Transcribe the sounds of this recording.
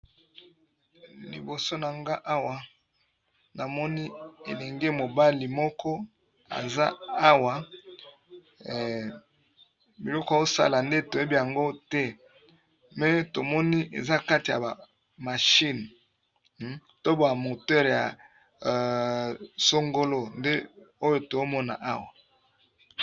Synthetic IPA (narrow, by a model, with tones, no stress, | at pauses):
lḭ˨bo˨so˦na˨ŋɡa˦ʔa˦wa˨ | na˨mɔ˦ni˦ḛ˨lɛ˨ŋɡe˦mo˨ba˦li˨mɔ˦kɔ˦ | a̰˨za˦a˦wa˨ | bi˨lɔ˦kɔ˨a˨zo˦sa̰˦la˨nde˦to˨e˦bi˦ja˨ŋɡo˦tɛ˦ | mɛ˦to˨mɔ˦ni˦ʔḛ˨za˦ka˦ti˨a̰˨ba˨ | ma˨ʃi˦n | to˦ba˨mo˨tɛ˦ʁja˨ | so˦ŋɡo˦lo˦nde˦o˦jo˦to˨o˦mɔ˦na̰˨ʔa˦wa˨